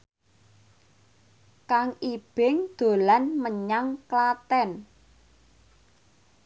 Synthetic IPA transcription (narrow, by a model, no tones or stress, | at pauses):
kaŋib̥ɪŋd̪̥o̤lanməɲaŋklat̪ɛn